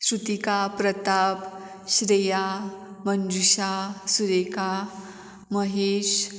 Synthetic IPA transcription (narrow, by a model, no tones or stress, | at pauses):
sɾut̪ikapɾət̪ap | ɕɾeja | mənd̪uɕasuɾeka | məɦeɕ